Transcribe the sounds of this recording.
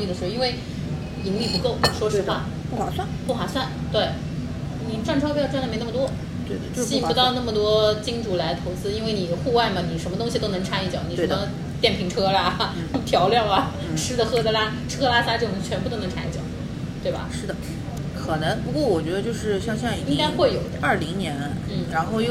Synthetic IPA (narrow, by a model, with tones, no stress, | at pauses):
i˥˩ə˩ʂ̩˧˥˧i˥nwe˥˩ɪ | i˧˥ŋli˥˩pu˧˥ko˥˩ʊ˥ʂwɔ˥ʂ̩˧˥˧wa̰˥˩ | pu˥˩xa̰˨˩swa˥˩pu˥˩xwa˨˩swa˥˩nt̪we˥˩ɪ | ni˨˩ʈ͡ʂwa˥˩nʈ͡ʂʰpʲːʈ͡ʂnd̪m˧˥na˥˩mə˩t̪wɔ˥ | t̪e˥˩ɪ˥ɕpu˧˥t̪ɑ˥˧ʊna˥˩mə˩t̪̬wɔ˥t͡ɕi˥ŋʈ͡ʂu˨˩la˧˥ɪt̪ʰo˧˥ʊt͡sɹ̩˥i˥nwe˥˩ɪni˨˩xu˥˧wa˥˩ɪmɐ˩ni˨˩ʂə˧˥nmə˧t̪̬ʊ˥ŋɕi˨t̪o˥ʊnɤ˧˥ŋʈ͡ʂʰa˥ni˥˩t͡ɕjɑ˨˩˦ʊni˨ʂm˧ | t̪jɛ˥˩npʰi˧˥ŋʈ͡ʂʰɤ˥a˨˩ | t̪ʰjɑ˧˥ʊljɑ˥˩ʊɐ˩ | ʂɻ̩˥d̪ə˨xɤ˥t͡sə˧la˥ | ʈ͡ʂʰɤ˥la˥sa˥t͡ɕjo˥˧˩n˨˩t͡ɕʰɥɛ˧˥npu˥˩t̪o˥ʊn˧˥ŋʈ͡ʂʰa̰˥nḭ˥˩t͡ɕjɑ̰˨˩˦ʊ | t̪we˥˩ɪɐ̰˩ʂɻ̩˥˩d̪ə˩ | kʰɤ˨˩nɤ˧˥ŋpu˧˥kwɔ˥˩wɔ˨˩t͡ɕɥɛ˧˥d̪ə˧t͡ɕjo˥˧ʂɻ̩˥˩ɕjɑ˥˧ŋɕjɑ˥˧ŋ˥˩i˥ŋka˥ɪxwe˥˩ɪjo˨˩ʊd̪ə̰˧ɐ˞˥˩li˧˥ŋnjɛ˧˥nn̩˥˩ɻa˧˥nxo˥˧ʊjo˥˧